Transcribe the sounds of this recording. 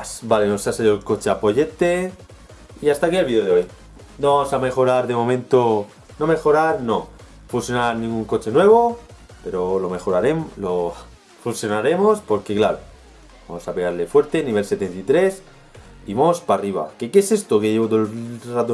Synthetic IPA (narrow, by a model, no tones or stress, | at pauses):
sbaleno̞saseʎoelko̞t͡ʃeapo̞ʝe̞t̪e̞ | iast̪akieβioðeoj | noβasame̞xo̞ɾaɾðe̞mo̞mẽnt̪o | no̞me̞xo̞ɾaɾno̞ | fuθjo̞naɾnĩŋɡuŋko̞t͡ʃe̞nwe̞β̞o̞ | pe̞ɾo̞lo̞me̞xo̞ɾaɾe̞mlo̞ | funsjo̞naɾe̞mo̞spo̞ɾke̞klaɾo | ba̰mosapeɣaɾle̞fwe̞ɾt̪e̞niβe̞lse̞t̪e̞nt̪it̪ɾe̞s | iβaospariβ̞a̰ke̞kese̞st̪okeʝe̞βot̪olrat̪o